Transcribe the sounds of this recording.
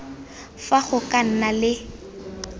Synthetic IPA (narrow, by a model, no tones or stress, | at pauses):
faɣʊkʼan̩nalɪ